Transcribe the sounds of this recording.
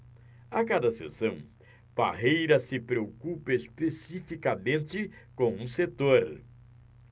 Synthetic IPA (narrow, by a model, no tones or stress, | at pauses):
akad̪ɐsḛsɐ̃w̃ | b̥a̰ɦejɾɐsɪpɾeokupɐespesifikamẽnt͡ʃɪkõw̃ũset̪oɾ